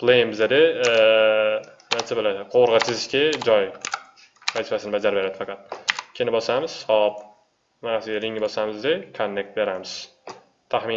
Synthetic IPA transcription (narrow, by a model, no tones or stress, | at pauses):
pʰlˠejmbɪzad̪ɪ | nansabɪlaqʰoɾʁɑt͡ʃʰɪzɪʃkʲad͡ʒɒj | mat̪ɪfasɪnɪbad͡ʒaɾbeɾad̪ɪfɑqɑt̪̚kʲʰenɪbɒsamɪz̥sɒp | manasɪɡʲaɾɪŋbɒsamɪzd̪ɪkʰonːe̞k̚t̪̚be̞ɾamɪz̥ | t̪ʰaχmɪ